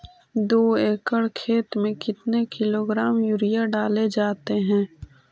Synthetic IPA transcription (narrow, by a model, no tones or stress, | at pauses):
d̪oːeːkəɽkʰeːt̪mẽkɪt̪nekɪloːɡɾaːmjuɾijaɖaːled͡ʒaːt̪eɦɛ̃ː